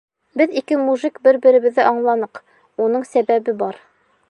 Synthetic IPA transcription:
bɘðikɘmuʒɘkbɘɾbɘ̆ɾɘ̆βɘ̆ðːɘʔɑɴlˠɑnɤq | unɤɴsæbæβɘbɑɾ

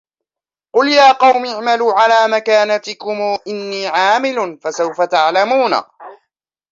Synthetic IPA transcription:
qʊljaːqɑwmɪʕmaluːʕalaːmakaːnat̪ɪkʊmuːʔɪnːiːʕaːmɪlʊnfasawfat̪aʕlamuːna̰

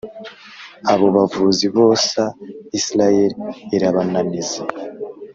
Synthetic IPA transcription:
aβo̞βavuziβo̞ːsaisiɾajeɾeɾaβananize

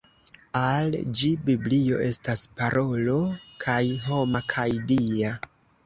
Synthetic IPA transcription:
ald͡ʒibiblio̞̰ʔe̞staspaɾʔo̞lo̞kʰajɦo̞makʰajdia

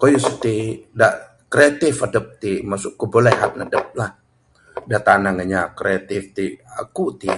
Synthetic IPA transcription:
kojusət̪idaʔ | kɾeat̪ɪfadəp̚t̪imasʊʔkubolɛɦat̪̚nadəp̚lah | dat̪anaŋəɲakɾeat̪ɪft̪ia̰kut̪i

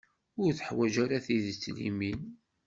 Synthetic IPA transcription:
ʊɾθəħwæd͡ʒæɾaθiðət͡sːlḭmin

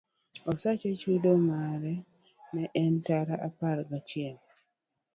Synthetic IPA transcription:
ɔsat͡ʃet͡ʃudomaɾɛ | mɛʔɛntaɾaʔaparɡat͡ʃɪɛm

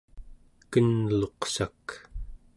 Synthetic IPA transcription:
kənlo̞qsak

